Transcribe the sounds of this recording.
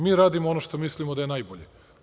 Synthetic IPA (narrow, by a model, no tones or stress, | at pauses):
miːɾaːd̪imoonoʃt̪o̞mislimod̪ajenajboʎe